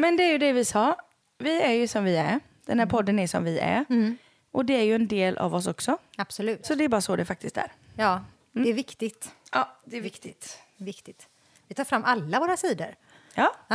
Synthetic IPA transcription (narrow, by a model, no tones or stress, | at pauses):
mɛnd̪ɛæjɵd̪ɛvɪsɑː | vɪæɾjɵsɔmvɪæɾ | d̪̥ɛnhæːɾpʰɔd̪ːənæʂɔ̰mvɪʔæ̰ɾ | ʔɔd̪ɛæɾjɵɛnd̪eːlʔa̰vɔs̬ɔksɔab̥sɔlʉ̟ːt̪sɔd̪ɛɛɾbɑːɾasoːd̪ɛfak̚t̪ɪst̪æ̰ɾ | jɑː | ɛɛɾvɪkt̪ɪɡt̪ɑːd̪ɛɛɾvɪkt̪ɪt̪ | vɪkt̪ɪt̪ | vɪt̪ʰɑːfɾamːʔalːavoːɾasiːd̪ə̰ɾ | jɑː